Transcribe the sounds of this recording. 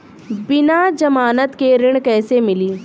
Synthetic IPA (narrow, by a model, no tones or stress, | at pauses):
bɪnad͡ʒɐmaːnət̪keɾɪɽ̃kɛːsemɪliː